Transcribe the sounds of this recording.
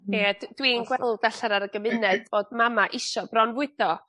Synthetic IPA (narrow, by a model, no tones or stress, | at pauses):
edd̥winɡwɛlˠdaɬaɾaɾəɡəmɨnɛd̥boːd̚mamaʔɪʃɔb̥rɔnvwɨd̥ɔ